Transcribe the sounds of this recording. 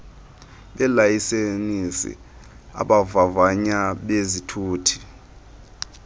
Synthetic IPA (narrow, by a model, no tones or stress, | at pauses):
ɓɛlajisenisḭ | a̰ɓavavaɲaɓezitʰuːtʰi̥